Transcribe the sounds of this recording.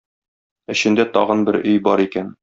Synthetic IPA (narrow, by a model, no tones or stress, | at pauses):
ɘ̆ɕɘ̆nd̪æt̪ɒʁɤnbɘɾɵjbɒɾikæn